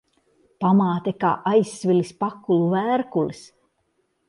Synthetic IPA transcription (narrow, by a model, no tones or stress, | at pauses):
pamaːt̪ɛka̰ːʔajsʲːvʲilispakːulˠuvæːɾkulis